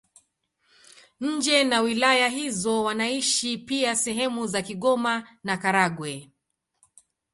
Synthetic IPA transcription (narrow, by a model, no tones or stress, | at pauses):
ɲ̩d͡ʒɛnawilajaɦizɔwanaiʃipiasɛɦɛmuzakiɠɔmanakaɾaɡwɛ